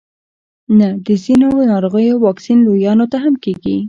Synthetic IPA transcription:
nad̪əzinonɑɾoɣəjowɑksinlojɑnot̪aɦamkeɡḭ

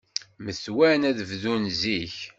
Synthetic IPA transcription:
məθwænæðəvðunziç

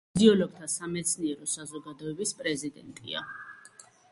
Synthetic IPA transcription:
d̪iɔlɔɡ̥̚t̪ʰasamɛt̪sʰniɛɾɔsazɔɡad̪ɔɛbispʼɾɛzid̪ɛ̰nt̪ʼḭa̰

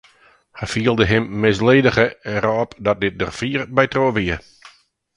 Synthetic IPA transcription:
hɛjfiəlˠdəɦɪmːɪs̬leːdəɣəɛrɔpdɔt̚dɪt̚də̰rfiːrbɛjtroːʋiə

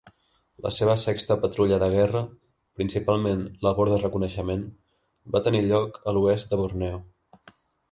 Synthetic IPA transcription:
lə̰seβ̞əsɛkst̪əpət̪ɾuʎəðəɣ̞ɛrə | pɾinsipalˠmenləβɔɾðərəkunəʃəmen | bat̪əniʎɔkəluɛst̪̚d̪əβurnɛw

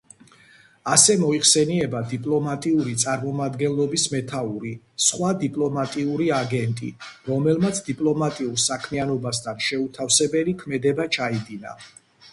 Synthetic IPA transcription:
asɛmɔiχsɛniɛbad̪ipʼlˠɔmat̪ʼiuɾit̪sʼaɾmɔmad̪ɡɛnlɔbismɛt̪ʰauɾi | sχwad̪ipʼlɔmat̪ʼiuɾiaɡɛnt̪ʼḭɾɔmɛlmat̪sʰd̪ipʼlˠɔmat̪ʼiuɾsakʰmianɔbast̪ʰanʃɛut̪ʰafsɛbɛlikʰmɛd̪ɛbat͡ʃʰaid̪ina̰

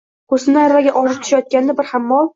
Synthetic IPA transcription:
kʰosɪnaɾvaɡʲaʔɒʒɪp̚t̪ʰʊ̥ʃajɒt̪̚kʲand̪abɪɾhamːɒlˠ

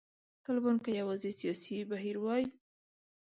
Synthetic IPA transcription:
t̪ɑlɪbɑnkajawɑzisijɑsibaɦiɾwɑji

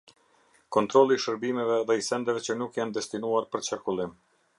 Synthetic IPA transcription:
kɔnt̪ɾɔlˠiːʃəɾbimɛvɛðɛisɛnd̪ɛvɛt͡ɕənukjand̪ɛst̪inuaɾpəɾt͡ʃakulˠim

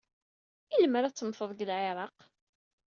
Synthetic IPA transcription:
iləməɾæt͡sːəmfəðˤɡəlʕeɾˤɑq

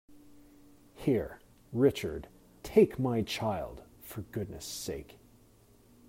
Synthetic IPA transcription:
hiɹ | ɹɪt͡ʃə̰˞d | tʰeɪkmaɪt͡ʃʰaɪlˠd̥ | fə˞ɡʊdⁿnɨ̰seɪk

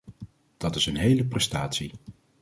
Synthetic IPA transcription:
d̥ɑtɪsənɦejləprɛstaːtsi

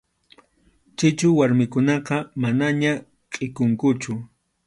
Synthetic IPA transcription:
t͡ʃɪt͡ʃʊwaɾmɪkʊnɑqɑmanaɲa | qʼɪkʊŋkʊt͡ʃʊ

